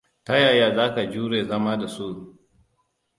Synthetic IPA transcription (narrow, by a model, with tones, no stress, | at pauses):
ta˦jaː˨jaː˦˨zaː˦ka˨d͡ʒuː˦ɽeː˨zɐ˦maː˦da˨su˦